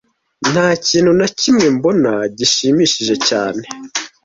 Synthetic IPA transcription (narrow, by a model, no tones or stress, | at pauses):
n̥haːciːnhunacimŋembo̞naɟiʃiːmiʃiʒe̞caːne̞